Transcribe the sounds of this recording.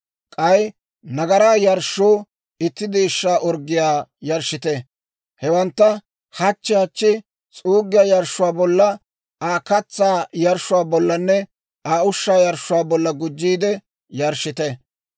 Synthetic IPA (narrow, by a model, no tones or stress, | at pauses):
kʼɐj | nɐɡɐɾaːjɐɾʃoː | ɪt̪ːɪd̪iːʃːaːʔɔɾɡɪjaːjɐɾʃːɪt̪ɛ | hɛwɐnt̪ːɐ | hɐt͡ʃːɪhɐt͡ʃːɪ | t͡sʼuːɡɪjaːjɐɾʃʊwaːbɔlːɐ | aːkɐt͡sːaːjɐɾʃʊwaːbɔlːɐnːɛ | aːʊʃːaːjɐɾʃːʊwaːbɔlːɐɡʊd͡ʒːiːd̪ɛ | jɐɾʃːɪt̪ɛ